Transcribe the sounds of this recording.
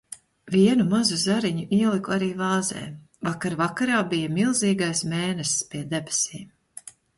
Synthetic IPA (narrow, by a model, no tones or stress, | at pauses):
viɛnumazuzaɾiɲuʔiɛlˠikuaɾiːvɑːzɛ̰ː | vakaɾvakaɾaːbijamilˠziːɡajsmeːnɛsspiɛd̪ebesiːm